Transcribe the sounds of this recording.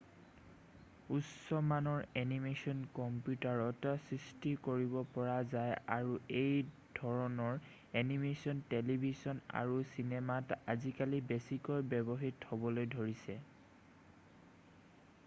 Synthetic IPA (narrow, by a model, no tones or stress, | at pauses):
utsɔmanɔɹenimesɔnkɔmpjutaɹɔtsɹistikoɹibɔpɔɹazajaɹuej | d̥ʱɔɹɔnɔɹ | enimesɔntelibʱizɔna̰ɹusinematazikalibesikɔjbɛbɔɦithɔbɔlojdʱoɹisɛ